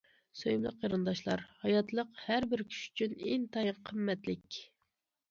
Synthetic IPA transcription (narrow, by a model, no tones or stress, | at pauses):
søjmlˠəqjɑɾɨnd̪ɑʃlˠɑɾhɑjɑt̪lˠəqhæɾbɪɾkʲʰy̥ʃy̥t͡ʃʰyneŋt̪ʰɑjɨqʰəmːɛt̪lɪkʲ